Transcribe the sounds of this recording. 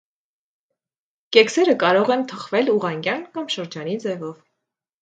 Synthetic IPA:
kɛksɛɾəkɑɾɔʁɛnt̪ʰəχvɛluʁɑŋɡʲjɑnkɑmʃəɾd͡ʒɑnid͡zɛvɔv

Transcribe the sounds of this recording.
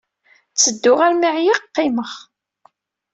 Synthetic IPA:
t͡sːəd̪ːʊʁaɾmiʕjiqːɪməχ

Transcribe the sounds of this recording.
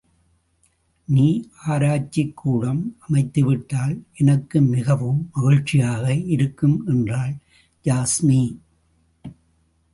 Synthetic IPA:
niːʔaːɾaːt͡ʃːɪkʰːuːɽɐmɐmɐɪt̪ːɯʋɪʈːaːlʔɛnɐkːɯmɪɣɐʋɯmːɐɣɪɻt͡ʃːɪjaːɣɐɪɾɯkːɯmʔɛndraːl | d͡ʒaːsmi

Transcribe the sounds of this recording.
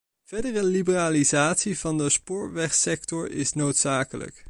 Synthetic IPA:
v̥ɛɹdərəlibəraːlizaːtsivɑndəspʊːɹʋɛχsɛktɔɹɪ̰snowtsaːkələ̰k

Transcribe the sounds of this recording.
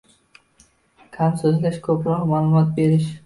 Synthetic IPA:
kʲʰansɵzlaʃkʰɵpɾɒqmaːlˠʊmɒt̪̚be̞ɾɪʃ

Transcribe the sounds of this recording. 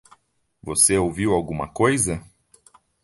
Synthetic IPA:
voseowviwawɡũmɐ̰kojzɐ

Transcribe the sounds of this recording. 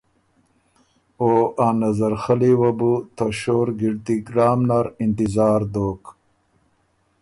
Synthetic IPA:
oːaːnɐzɐɾxɐliwɐbut̪ɐɕoːɾɡiɽt̪iɡɾaːmnaɾint̪izaːɾd̪oːk

